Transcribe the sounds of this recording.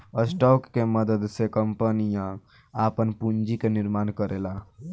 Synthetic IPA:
əsʈɔkːeməd̪əd̪sekəmpənijã | apənpund͡ʒikeniɾmankəɾela

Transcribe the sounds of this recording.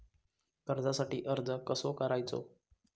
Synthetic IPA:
kəɾd͡zasaʈiːʔəɾd͡zəkəsokəɾajt͡so̰

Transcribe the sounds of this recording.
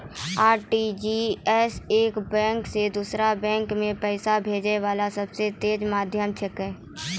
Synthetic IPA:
aːɾʈid͡ʒiɛseːkbɛ̃ːŋksed̪uːsɾabɛ̃ːŋkmẽpɛːsabʱeːd͡ʒeʋaːlasɐbset̪eːd͡ʒmaːd̪ʱjəmt͡ʃʰəkɦɛː

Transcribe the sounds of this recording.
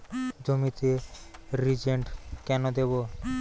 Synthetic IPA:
d͡ʑomit̪eɾid͡ʑeɳʈkɛnod̪ebo

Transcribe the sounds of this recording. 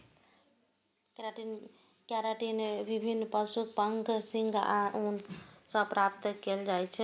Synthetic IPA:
keɾaʈin | kaɾaʈinbibʱinːpəsuk̚pəŋɡsiŋɡaunsəpɾap̚t̪keld͡ʒajt͡ʃʰɛ

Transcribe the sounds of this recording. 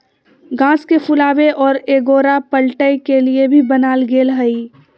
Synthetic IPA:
ɡãːskepʰʊlaːʋeʔɔːɾeːɡoːɾapəlʈəjkeliebʱibənaːlɡeːlɦəi

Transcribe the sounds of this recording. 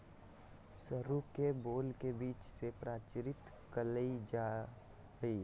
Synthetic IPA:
səɾukeboːlkebiːt͡ʃsepɾaːt͡ʃɾɪt̪ | kələid͡ʒa | ɡəi

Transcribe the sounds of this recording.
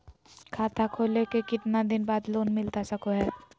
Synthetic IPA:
kʰaːt̪ʰakʰoːlekekɪt̪nad̪ɪnbaːd̪loːnmɪlt̪asɐkʰoɦɛː

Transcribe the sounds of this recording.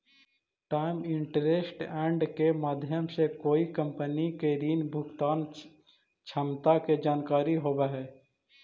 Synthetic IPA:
ʈaːɪmɪɳʈɾeːsʈɛ̃ːɳɖkemaːd̪ʱjəmsekoːikə̃mpənikeɾiːnbʱʊɡt̪aːn | t͡ʃʰəmt̪aked͡ʒaːnkaːɾiɦoːbeɦɛː

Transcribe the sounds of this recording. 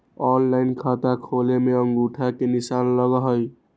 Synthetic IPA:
ɔnlaɪnkʰat̪akʰolemeʌŋɡuʈʰakenisanlʌɡəɦʌj

